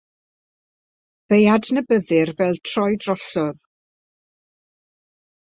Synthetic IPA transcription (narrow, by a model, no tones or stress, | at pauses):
v̥ejadnəbəðɨrvɛlˠtʰr̥ɔjdrɔsɔð